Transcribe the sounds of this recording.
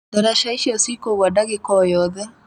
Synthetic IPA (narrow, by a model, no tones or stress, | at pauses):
daɾaʃaiʃɔsikoɣwadaɣekɔjɔðɛ